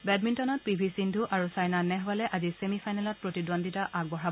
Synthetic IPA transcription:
bɛdmintɔnɔt̚pibʱisindʱuʔaɹusajnanɛɦwalɛʔazisemifʰajnɛlɔt̚pɹotidonditaʔaɡ̚bɔɦab

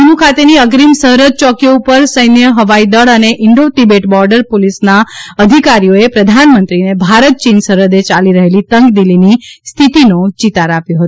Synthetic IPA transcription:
umukʰat̪eniəɡɾimsəɦɾəd̪̚t͡ʃɔkjoupəɾsəjnjəɦəʋaid̪əɭəneʔɪɳɖot̪ibeʈbɔɾɖəɾpolisnaəd̪ʱikaɾijoepɾəd̪ʱanmənt̪ɾinebʱaɾət̪̚t͡ʃinsəɾəd̪et͡ʃaliɾəɦelit̪əŋɡd̪ilinist̪ʰit̪inot͡ʃit̪aɾapjoɦət̪u

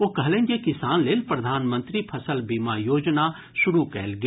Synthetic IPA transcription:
oːkɐɦlẽːnd͡ʒekɪsaːnleːlpɾɐd̪ʱaːnmə̃nt̪ɾipʰɐsəlbiːmajoːd͡ʒna | ʃʊɾukɛ̰ːlɡ

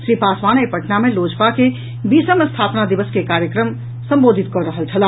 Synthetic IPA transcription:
ʃɾipasʋanepəʈnamelod͡ʒpake | bisəmest̪ʰapnad̪iʋəskekaɾjəkɾəm | sə̃mbod̪ʱit̪̚kɔɾəɦəlt͡ʃʰəla

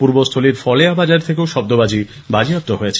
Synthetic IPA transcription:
puɾbost̪ʰoliɾfɔleabad͡ʑaɾt̪ʰek̬eoʃɔb̚d̪obad͡ʑi | bad͡ʑiap̚t̪oɦojet͡ɕʰe

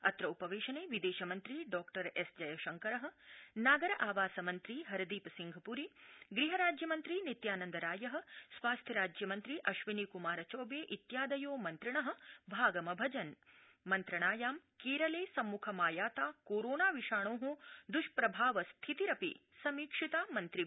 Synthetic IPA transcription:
ɐt̪ɾɐupɐʋeːʃɐneːʋid̪eːʃɐmɐnt̪ɾiɖɔːkʈɐɾesd͡ʒɐjɐʃɐŋkɐɾɐɦɐ̆naːɡɐɾɐʔaːʋaːsɐmɐnt̪ɾiɦɐɾɐd̪iːpɐsiŋɡʱɐpuɾiɡɾiɦɐɾaːd͡ʒjɐmɐnt̪ɾinit̪jaːnɐnd̪ɐɾaːjɐɦɐ̆sʋaːst̪ʰjɐɾaːd͡ʒjɐmɐnt̪ɾiʔɐʃʋinikumaːɾɐt͡ʃoːbeːʔit̪jaːd̪ɐjoːmɐnt̪ɾɐɳɐɦɐ̆bʱaːɡɐmɐbʱɐd͡ʒɐn | mɐnt̪ɾɐɳaːjaːmkeːɾɐleːsɐmːukʰɐmaːjaːt̪aːkoːɾoːnaːʋiʂaːɳoːɦud̪uʃpɾɐbʱaːʋɐst̪ʰit̪iɾɐpḭ | sɐmiːkʂit̪aːmɐnt̪ɾi

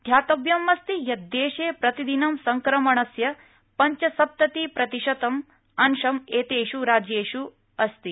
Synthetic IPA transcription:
d̪ʱjaːt̪ɐbjɐmɐst̪ijɐd̪ːeːʃeːpɾɐt̪id̪inɐmsɐŋkɾɐmɐɳɐsjɐ | pɐɲt͡ʃɐsɐp̚t̪ɐt̪ipɾɐt̪iʃɐt̪ɐm | ɐnʃɐmeːt̪eːʃuɾaːd͡ʒjeːʃu | ɐst̪i

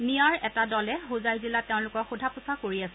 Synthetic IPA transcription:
nijaɹɛtadɔlɛɦuzajzilateʊ̃lʊkɔkxudʱapʊsakoɹiasɛ

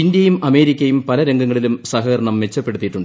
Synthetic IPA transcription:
ind̪jɐjumɐme̞ːɾikʲːɐjumpɐlɐɾeŋɡɐŋːɐɭilumsɐɦɐːɾɐɳɐmʋe̞t͡ɕːɐpːe̞ɽut̪ːiʈːuɳɖ

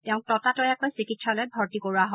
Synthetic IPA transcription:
tɛʊ̃k̚tɔtatɔjɛkɔjsikitsalɔjbʱɔɹtikoɹuaɦɔ

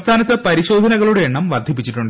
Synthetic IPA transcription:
st̪ʰaːnɐt̪ːɐpɐɾiɕo̞ːd̪ʱɐnɐɣɐɭuɽeeɳːɐmʋɐrd̪ʱip̬ːit͡ɕːiʈːuɳɖɨ

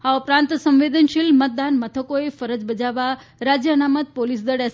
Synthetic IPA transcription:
aupɾãnt̪sə̃mʋed̪ənʃilmət̪̚d̪anmət̪ʰəkoefəɾəd͡ʒbəd͡ʒaʋa | ɾad͡ʒjəənamət̪̚polis̬d̪əɽe

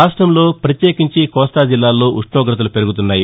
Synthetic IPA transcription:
aːʂʈɾɐmlo̞ːpɾɐt̪je̞ːkiɲt͡ʃikɔːst̪aːd͡ʒilːaːlːo̞ːʔuʂɳɔːɡɾɐt̪ɐlupe̞ɾuɡut̪unːaːji

